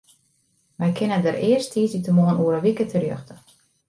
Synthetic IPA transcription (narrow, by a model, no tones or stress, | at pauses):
ʋɛjkʰɪnədəɾɪərstʰiːsitəmoənuəɾəʋikətʰərjø̰xtə̥